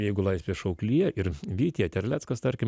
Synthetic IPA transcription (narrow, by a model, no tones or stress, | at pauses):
jɛɪɡʊlˠɐɪsʲpʲeːʃɐʊklʲiːɛɪɾʋʲiːt̪ʲiɛt̪ʲɛɾʲlʲæːt̪skɐst̪ɐɾʲkʲɪm